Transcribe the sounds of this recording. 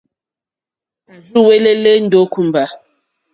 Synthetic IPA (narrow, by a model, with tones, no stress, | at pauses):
a˨d͡ʒu˦˨we˦le˦le˦n̩˦do˨˦ku˦m˨ba˨